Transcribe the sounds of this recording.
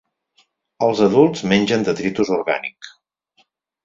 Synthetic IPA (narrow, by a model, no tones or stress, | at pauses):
əlˠzəðulˠzmenʲʒənd̪ət̪ɾit̪uzurɣa̰nik